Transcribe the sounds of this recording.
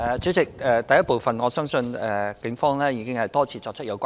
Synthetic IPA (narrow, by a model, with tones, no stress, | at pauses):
ɛː˨˩t͡sy˨˥t͡sɪ˨k̚ɛː˨t̪ɐ˨jɐ˥t̚po˨wfɐ˨nŋɔː˨˧˥sœː˥ŋsɵ˧nɛː˨kɪ˨˥ŋfɔː˥ŋlɛː˥jiː˨˧kɪ˥ŋhɐ˨jt̪ɔː˥t͡sʰiː˧˩t͡sɔː˧k̚t͡ʃʰə˥t̚jɐ˨˧wkʷaː˦